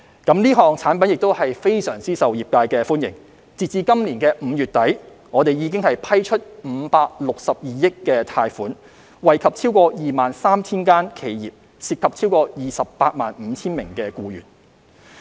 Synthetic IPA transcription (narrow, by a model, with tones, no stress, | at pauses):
kɐ˨˥mliː˥ɦɔː˨ŋt͡sʰaː˨˥npɐ˨njɪ˨k̚t̪o˥whɐ˨jfe˥jsœː˨˩ŋt͡siː˥sɐ˨wjiː˨p̚kaː˧jkɛː˧fuː˥njɪ̰˨˩ŋ | t͡siː˨t͡siː˨˧kɐ˥mliː˨˩nkɛː˧m̩˨˧jyː˨˩t̚t̪ɐ˨˥j | ŋɔː˨˧t̪e˨jjiː˨˧k̬ɪ˥ŋhɐ˨jpʰɐ˥jt͡ʃʰɵ˥t̚m̩ː˨˩˦paː˧k̚lʊ˨k̚sɐ˨p̚jiː˨jɪ˥kːɛː˧t̪ʰaː˧jfuː˨˥n | wɐ˨jkʰɐ˨p̚t͡sʰiː˥wkɔː˧jiː˨˩maː˨nsaː˥mt͡sʰiː˥nkaː˥nkʰe˨˧jjḭː˨p̚ | siː˨˩p̚kʰɐ˨p̚t͡sʰi˥wkɔː˧jiː˨sɐ˨pːaː˧t̚maː˨nm̩ː˨˧˦t͡sʰiː˥nmɪ˨˩ŋkɛː˧kuː˧jyː˨˩n